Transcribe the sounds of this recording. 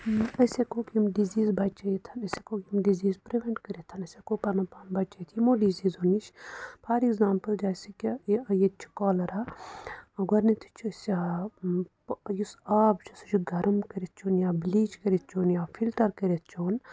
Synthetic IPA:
ɐsʲekoːkimɖiziːzbɐt͡ʃɐjit̪ʰɐnɐsʲekokʲimɖiziːzpɾeʋeɳʈkɐɾit̪ʰɐnɐsʲekoːpɐnɐpaːnbɐt͡ʃɐjt̪ʰimoɖiziːzonit͡ʃʰpʰaɾikzaːmpəld͡ʒaːsikʲijet͡ʃʰu̥kɔːlɐɾa | ɡɐɾnit̪ʰi̥t͡ʃʰisʲ | jusaːbt͡ʃust͡ʃʰuɡɐɾmkɐɾit̪̚ʰt͡ʃʰuːnjaːbliːt͡ʃkɐɾit̪̚ʰt͡ʃʰoːnjaːfʰilʈɐɾkɐɾet̪̚ʰt͡ʃʰoːn

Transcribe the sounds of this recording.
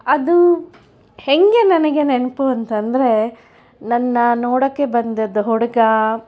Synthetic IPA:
ɐd̪u | heŋɡe̞nɐnɐɡe̞nenɐpuɐnt̪ɐnd̪ɐɾe̞ | nɐnːɐnoːɽɐkːebɐnd̪ɐd̪ːɐɦɔɽɐɡɐ

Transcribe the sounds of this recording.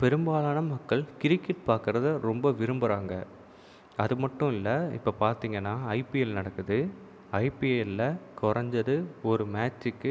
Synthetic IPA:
pɛɾɯmbaːlaːɳɐmɐkːɐɭkɪɾɪkːɪʈ̚paːɾkɯɾɐðɯɾɔmbɐʋɪɾɯmbɯɾaːŋɡɐ | ɐðɯmɐʈːɯ̃ɪlːɐɪ̰pːɐpaːɾt̪iːŋɡɐnːaːɐɪpiɛlnɐɽɐkːɯðɯ | ɐɪpiɛlːɐkɔɾɐɲd͡ʒɐðɯɔɾɯmaːt͡ʃːɯkːɯ

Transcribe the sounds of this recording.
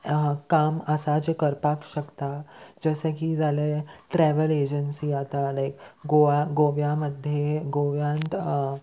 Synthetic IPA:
kaməsad͡ʑekəɾpakɕəkt̪ad͡zəsekid͡zaleʈɾɛʋəled͡ʑənsiːat̪alajkɡoaɡoʋjaməd̪ʱjeɡoʋjãnt̪

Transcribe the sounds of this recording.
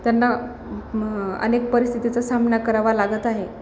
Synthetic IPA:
t̪janːa | ə̰nek̚pəɾist̪ʰit̪it͡sasamnakəɾaʋalaɡət̪aɦe

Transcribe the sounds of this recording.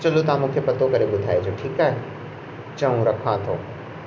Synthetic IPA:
t͡ɕɐlot̪ɐãmũːkʰepɐt̪okɐɾeɓʊd̪ʱa̰ːed͡ʑoːʈʰiːkaːɦe | t͡ɕɐũɾɐkʰãt̪ʰo̰ː

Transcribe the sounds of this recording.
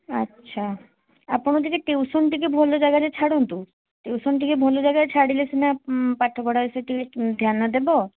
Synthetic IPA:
a̰tːɕʰa | aɾpoñod̪ikeʈewsonʈikebʱɔlod͡ʑajɡatet͡ɕʰaɽont̪u | ʈewsonʈ̬ikebʱɔlod͡ʑajɡat͡ɕʰaɽilesinapaʈʰːokɔɽaeseʈiked̪ʱjanːad̪ebo

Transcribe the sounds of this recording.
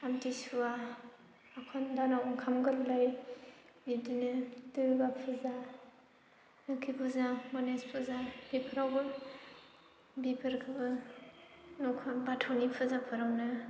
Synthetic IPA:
amtisuwa | akʰɔndanawkʰamɡɯllaj | bidinɯdɯɾbapʰɯza | nɯkʰipʰɯzamɔnespʰɯzabipʰɯɾawbɯ | bipʰɯɾkʰɯbɯ | nɔkʰɔnbatʰɔnipʰɯzapʰɯɾawnɯ

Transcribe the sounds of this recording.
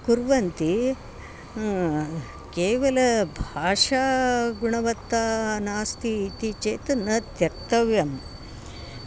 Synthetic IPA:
kuɾʋɐnt̪i | keːʋɐlɐbʱaːʂaːɡuɳɐʋɐt̪ːaːnaːst̪ʰiːt̪it͡ʃeːt̪ɐnːɐd̪jɐk̚t̪ɐʋjɐm

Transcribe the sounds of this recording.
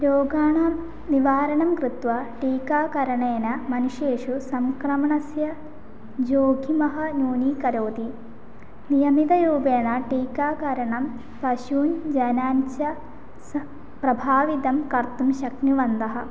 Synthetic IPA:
ɾoːɡaːɳɐ | niʋaːɾɐnɐmkɾit̪ʋɐʈiːkaːkɐɾɐɳeːnɐmɐnuʂjeːʂusɐŋkɾɐmɐɳɐsjɐ | d͡ʒoːɡʱimɐɦɐnuːnikɐɾoːt̪i | nijɐmid̪ɐɾuːbeːɳɐʈiːkaːkɐɾɐɳɐm | pɐʃuːnd͡ʒɐnaːnt͡ʃɐ | s | pɾɐbʱaːʋid̪ɐmkɐɾt̪umʃɐknuʋɐnd̪ɐɦɐ̆

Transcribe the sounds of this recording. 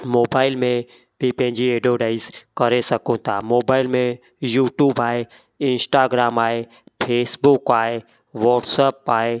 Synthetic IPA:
moːbaːɪlmẽ | bʱipɐ̃ɦɪ̃ɲd͡ʑieːɖioːɖaːɪzkɐɾesɐkõt̪ʰaːmoːbaːɪlmẽ | juːʈjuːbaːɦe | ɪ̃nsʈaːɡɾaːmaːɦe | pʰeːsbʊkaːɦe | ʋɔːʈsəːpaːɦe

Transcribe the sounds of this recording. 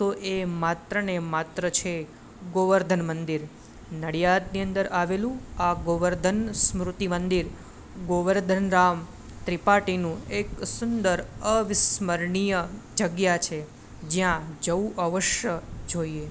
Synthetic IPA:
t̪oʔemat̪ɾənemat̪ɾət͡ʃʰe | ɡoʋəɾd̪ʱənmənd̪iɾ | nəɽijad̪niənd̪əɾaʋelũaɡoʋəɾd̪ʱənsmɾut̪imənd̪iɾ | ɡoʋəɾd̪ʱənɾam | t̪ɾipaʈinũeksund̪əɾəʋɪsməɾɳijəd͡ʒəɡjat͡ʃʰe | d͡ʒjãd͡ʒəuʔəʋəʃjəd͡ʒoie

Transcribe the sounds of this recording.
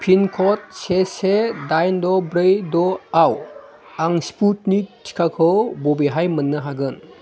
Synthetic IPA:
pʰinkʰɔt̚sesedajndɔbɾejdɔaw | aŋsput̚nitʰi̥kʰakʰɯwbɔbiɦajmənːɯɦaɡɯn

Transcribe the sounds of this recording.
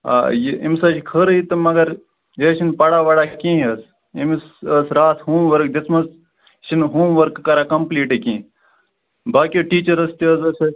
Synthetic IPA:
a̰ːjeimsɐt͡ʃikʰəɾəit̪ɨmɐɡɐɾ | jeːt͡ʃʰinpɐɽaːʋɐɽaːkĩːɐs | imsəsɾaːt̪ʰhoːmʋɐɾkd̪ɐsʰmɐs | ʃʰinɦoːmʋɐɾkːɐɾaːkɐmpliːʈekĩː | baːkioʈiːt͡ʃɐɾɐst̪iəsɐsɐ

